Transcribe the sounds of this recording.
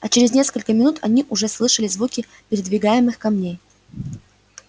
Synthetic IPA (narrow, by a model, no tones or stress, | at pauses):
ɐt͡ɕɪɾʲɪznʲe̞skəlʲkəmʲɪnut̪ʰɐ̰nʲiʔʊʐɛslˠɨʂəlʲɪzvukʲɪ | pʲɪɾʲɪd̪vʲɪɡajɪmɨxkɐmnʲej